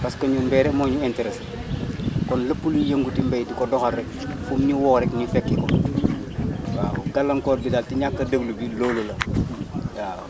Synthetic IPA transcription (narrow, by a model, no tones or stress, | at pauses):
pɐskɐɲunmbɛːɾɛkmɔːɲuɛntɛɾɛs | kɔnlɐpːulujɐŋɡutimbejdikɔdɔxɐlːɛk̚ | fumɲiwɔːkɾɛknifɛkːikɔ | waːwoɡɐlːɐŋkɔːbidaːltiɲakːɐdɐɡlubiloːlolɐ | ja̰ː